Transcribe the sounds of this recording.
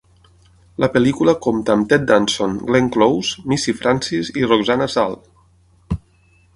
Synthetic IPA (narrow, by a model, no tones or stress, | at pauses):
ləpelikuləkomt̪aːmt̪ɛt̪̚d̪ansoŋɡleŋklowzmisifɾʔansiziroɡzanasa̰l